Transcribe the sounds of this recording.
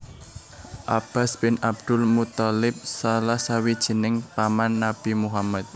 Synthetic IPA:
ʔab̥a̤sb̥ɪnab̚d̪̥ʊlmut̪ɔlɪp̚salahsawid̥ʒ̥ə̤nɪŋpamanːab̥imuɦamat̪̚

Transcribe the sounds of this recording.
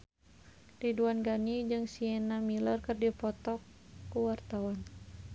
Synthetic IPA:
riduanɡanid͡ʒɨŋsiɛnamilɔrkərdipɔt̪ɔkː | uwart̪awan

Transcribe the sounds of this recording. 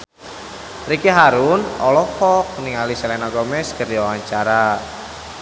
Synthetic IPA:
rikiɦaɾunɔlɔfɔk̚niŋalisɛlɛnɔɡɔmɛskərdiawaɲt͡ʃaɾa

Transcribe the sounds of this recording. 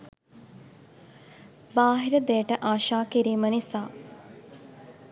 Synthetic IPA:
baːɦiɾəd̪ejəʈəʔaːʃaːkiɾiːmənisaː

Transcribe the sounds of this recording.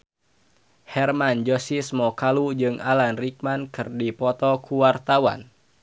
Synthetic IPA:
hɛrmand͡ʒɔsismɔkalud͡ʒɨŋʔalanrik̚mankɨrdipɔt̪ɔkʰuwart̪awa̰n

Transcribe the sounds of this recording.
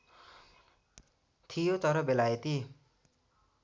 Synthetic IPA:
t̪ʰijot̪ʌɾʌbelajet̪i

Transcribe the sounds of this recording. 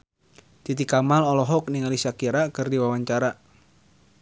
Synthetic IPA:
t̪it̪ikamalɔlɔɦɔk̚niŋalisakiɾakɨrdiwawaɲt͡ʃaɾa

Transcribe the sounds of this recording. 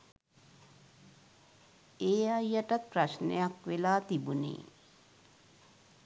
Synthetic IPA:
eːajːəʈat̪̚pɾaʃnḛjakʋelaːt̪ibunḛː

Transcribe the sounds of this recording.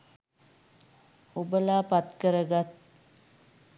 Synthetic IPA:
ubəlaːpat̪kəɾəɡat̪̚

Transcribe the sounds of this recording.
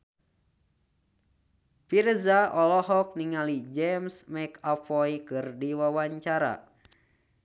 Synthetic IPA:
pirzaʔɔlɔɦɔk̚niŋalid͡ʒɛmsmɛkapɔjkɨrdiwawaɲt͡ʃaɾa̰

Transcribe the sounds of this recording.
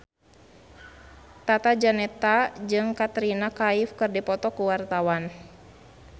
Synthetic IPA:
t̪at̪ad͡ʒanɛt̪ad͡ʒɨŋkat̪ɾinakaifkɨrdipɔt̪ɔkuwart̪awan

